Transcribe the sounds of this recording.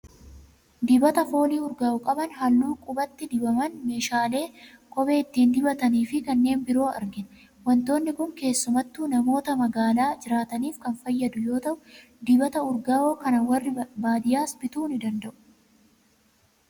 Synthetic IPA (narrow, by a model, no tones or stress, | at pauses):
d̪ɪbɐt̪ɐfo̞ːliːʊɾɡaːʊkʼɐbɐnɦɐlːuːkʼʊbɐt̪ːɪd̪ɪbɐmɐnme̞ːʃaːle̞ːkʼɔbe̞ːɪt̪ːiːnd̪ɪbɐt̪ɐniːfɪkɐnːe̞ːnbɪɾo̞ːɐ̰ɾɡɪnɐ | wɐnt̪o̞ːnːɪkʊŋke̞ːsːʊmɐt̪ːuːnɐmo̞ːt̪ɐmɐɡaːlaːd͡ʒɪɾaːt̪ɐniːfkɐnfɐjːɐd̪ʊjo̞ːt̪ɐʔʊ | d̪ɪbɐt̪ɐʊɾɡaːoːkɐnɐwɐrːɪbaːd̪ɪjaːsbɪt̪uːnɪd̪ɐnd̪ɐʔʊ̥